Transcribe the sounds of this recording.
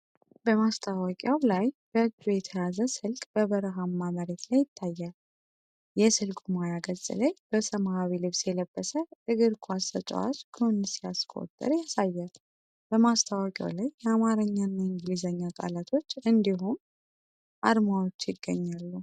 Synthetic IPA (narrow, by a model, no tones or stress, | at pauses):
bəmast̪ʰawakʼawlajb̥əɨɡd̪ujɛt̪ʰəjazəsɨlkʼb̥əβəɾəɦamːaməɾet̪lajːɪt̪ʰːajːal | jɛsɨlkʼumajaɡəzʼḭlajb̥əsəmahaβilɨβsjɛləbːəsəɨɡɨɾkʰuasət͡ʃʼwa̰t͡ʃkʰɨnːsijaskʰʼo̞̰t̪ʼːə̰ɾjasajːɛl | b̥əmast̪ʰawakʼa̰lajːɛamaɾəɲːanːaɨŋɡlizəɲːakʼa̰lat̪ʰo̞t͡ʃːɨnd̪iɦum | ʔa̰d̪mawot͡ʃːjɪɡːə̰ɲːalːu